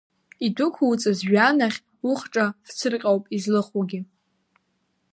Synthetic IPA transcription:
idʊkʷʰuwt͡sʼɨzʒᶣanaχʲ | ʊχʈ͡ʂʼaft͡sʰɨrqʲʼawpʼizlɨχuɡʲɪ

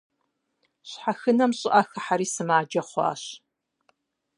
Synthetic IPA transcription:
ɕħaxɨnɐmɕʼɪʔɐxɨħaɾiːsɨmaːd͡ʒɐχʷɑ̰ːɕ

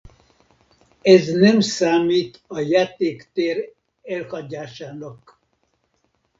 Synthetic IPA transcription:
ɛznɛmsaːmiːt̪ɒjaːt̪eːkt̪eːr | ɛlhɒɟaːʃaːnɒk

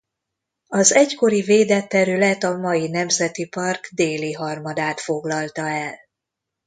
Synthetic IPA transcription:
ɒzɛcko̞ɾiveːd̪ɛt̪ːɛɾylɛt̪ɒmɒjinɛmzɛt̪ipɒrɡd̪eːliɦɒrmɒd̪aːt̪fo̞ɡlɒlt̪ɒɛl

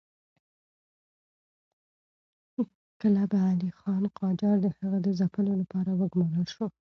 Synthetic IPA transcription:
kəlabaand̪ixɑnqɑd͡ʒɑɾd̪əhaɣad̪əzapəlolapɑɾawəɡmɑləlʃo

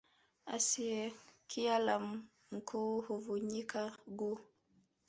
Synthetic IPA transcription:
ʔa̰siɛkʰijalam | ŋ̩kʰɔhovuɲikaɡu

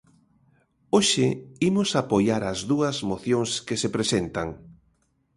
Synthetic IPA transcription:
oʃɪimʊsapojaɾɐzðuɐzmoθjoŋskɪsepɾesent̪aŋ

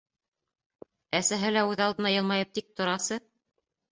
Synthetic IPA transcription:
æsæɦɘlæʉðɑlˠd̪ɤ̆nɑjɤ̆lˠmɑjɤp̚t̪ik̚t̪ŏɾɑsɤ

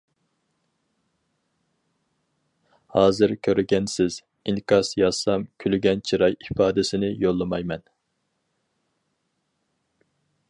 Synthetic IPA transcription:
hɑːzɨɾkʲʰøɾɡʲɛnsɪz̥ | iŋkʰɑsjɑsɑmkʲʰylyɡʲɛnt͡ʃʰiɾɑjifɑːd̪ɪsɪnɪjolˠːɨmɑjmɛn

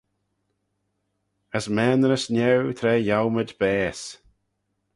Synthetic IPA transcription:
əsmɛːnəɾəsnʲɛwt̪ʰɾɛːjawməd̪bɛːs

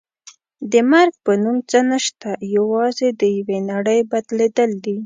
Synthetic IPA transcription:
d̪əmaɾɡ̚pənumt͡sənəʃt̪ajawɑzed̪əjawenaɽəjbad̪led̪əld̪i

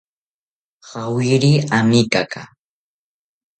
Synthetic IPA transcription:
hawɪɾiamikaka̰

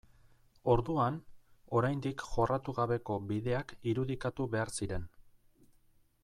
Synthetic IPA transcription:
o̞ɾðuano̞ɾajnd̪ikʝo̞rat̪uɣaβe̞ko̞biðe̞akiɾuðikat̪uβe̞aɾsiɾe̞n

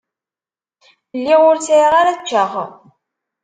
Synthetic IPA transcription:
lːiʁʊɾt͡sʁaɾæt͡ʃːəʁ

